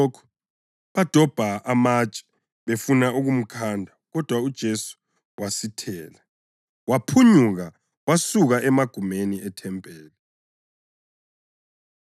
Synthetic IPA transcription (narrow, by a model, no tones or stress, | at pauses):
ɔkʰɔ̥ | βad̥ʱɔb̥ʱaamat͡ʃʼɛ̥ | βefunaʔuɣum̩kʰandʱaɣɔd̥ʱwaud̥ʒ̥ʱesu̥ | wasitʰɛːla | wapʰuɲuɣa | wasuɣaɛmaɡ̥ʱumeniʔɛtʰɛmpʼɛːla